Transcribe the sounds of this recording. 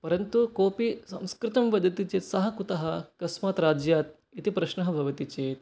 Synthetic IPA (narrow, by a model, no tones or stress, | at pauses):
pɐɾɐnt̪ukoːpisɐ̰̃mskɾɪt̪ɐmʋɐd̪ʱɐt̪it͡ʃeːt̪sɐɦɐ̆kut̪ɐɦɐ̆kɐsmaːt̪ɾaːd͡ʒjaːt̪̚ | it̪ipɾɐʃnɐɦɐ̆bʱɐʋɐt̪it͡ʃeːt̪̚